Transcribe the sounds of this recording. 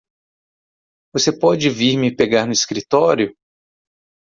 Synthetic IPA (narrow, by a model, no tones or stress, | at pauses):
vosepɔd͡ʒɪviɾmɪpeɡaɾnʊiskɾit̪ɔɾjʊ